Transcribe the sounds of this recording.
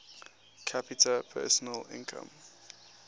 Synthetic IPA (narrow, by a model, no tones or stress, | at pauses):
kʰapitʰəpʰɛ̰ːsɔnəlɪ̰̃nkʰə̰̃m